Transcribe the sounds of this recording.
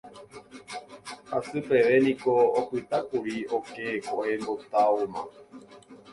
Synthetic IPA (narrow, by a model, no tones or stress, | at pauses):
asɨpe̞ʋe̞nĩkoːkʷɨt̪akuɾiokekohembot̪aumã̰